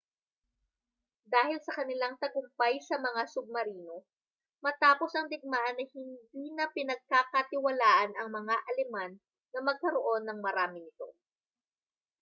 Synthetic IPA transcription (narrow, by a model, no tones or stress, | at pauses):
d̪aːhɪlsɐkɐnɪlaŋt̪ɐɡʊmpajsɐmɐŋasʊɡ̚mɐɾiːno̞ | mɐt̪aːpo̞sɐŋd̪ɪɡ̚maʔɐnːɐhɪnd̪iːnɐpɪnɐɡ̚kakɐt̪ɪwɐlaːʔɐnɐŋmɐŋaʔɐlɪmanː | ɐmɐɡ̚kɐɾoʔo̞nːɐŋmɐɾaːmɪnɪt̪o̞̰